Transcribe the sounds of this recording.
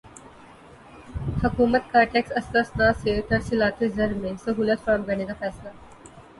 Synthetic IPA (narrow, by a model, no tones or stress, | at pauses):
hɐkuːmət̪kaːɾʈeksɐst̪əsnaːset̪əɾsilaːt̪ed͡zəɾmesəɦuːlət̪fɾaːmɡəɳeːkafɛːsla